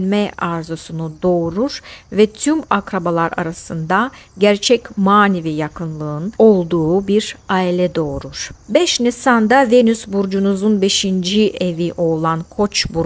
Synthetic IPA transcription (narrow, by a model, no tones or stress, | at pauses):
nmɛaɾzosunud̪o̞ːɾuɾ̥vɛt̪ʰymakɾabalˠaɾa̰ɾasɯnd̪aɟæɾt͡ʃʰɛcmaːnivijakʰɯnlˠɯɯno̞lˠd̪uːbiɾaːilʲɛd̪o̞ːɾuɾ̥bɛʃnesand̪avenysbuɾd͡ʒunuzunbe̞ʃind͡ʒiʔeviʔo̞lˠankʰo̞t͡ʃbuɾ